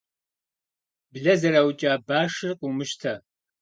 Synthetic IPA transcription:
bɮɐzɐɾawt͡ʃʼaːbaːʂɨrqʼumɨʃtʰɐ

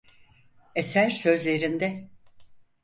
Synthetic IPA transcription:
esæɾsø̞zlʲe̞ɾind̪ɛ

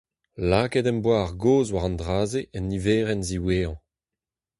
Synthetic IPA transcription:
laːkedɛ̃mbwaːʁɡoːzwaʁɑ̃ndʁaːzeʔɛnːiveːʁɛnziweːɑ̃

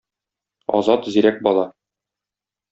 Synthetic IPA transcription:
ɒ̰zɑt̪ziɾæk̚bɒlˠɑ

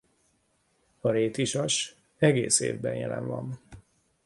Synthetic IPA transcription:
ɒɾeːt̪iʃɒʃ | ɛɡeːsḛːvbɛnjɛ̰lɛɱvɒn

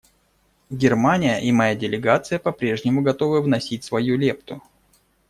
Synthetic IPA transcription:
ɡʲɪrmanʲɪjəʔimɐjadʲɪlʲɪɡat̪sɨjəpɐpɾʲe̞ʐnʲɪmʊɡɐt̪o̞vɨvnɐsʲit̚ʲsvɐjulʲe̞pt̪ʊ

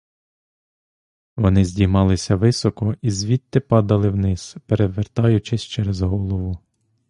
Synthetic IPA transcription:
ʋɔnɪzʲdʲijmɑlˠɪsʲɐʋɪsɔkɔizʲʋʲit̪ːɪpɑd̪ɐlˠɪwnɪz̥peɾeʋert̪ɑjʊt͡ʃɪsʲt͡ʃɛɾezɦɔlˠɔʋʊ

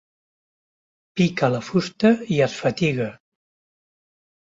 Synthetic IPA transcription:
pikələfust̪əiəsfət̪iɣə

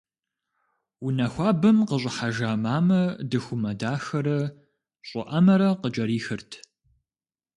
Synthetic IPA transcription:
unɐxʷɑːbɐmqəɕ̬ʷʼɪħaʒaːmaːmɐdɨxʷʊmɐdaːxɐɾɐ | ɕʼɪ̰ʔɐmɐɾɐqət͡ʃʼɐɾiːxɨrtʰ

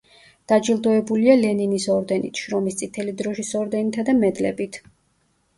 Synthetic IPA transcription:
d̪̥ad͡ʒilˠd̪ɔɛbulialɛninisɔɾd̪ɛnit̪ʰʃɾɔmist̪sʼit̪ʰɛlid̪ɾɔʃisɔɾd̪ɛnit̪ʰad̪amɛd̪lɛbit̪ʰ

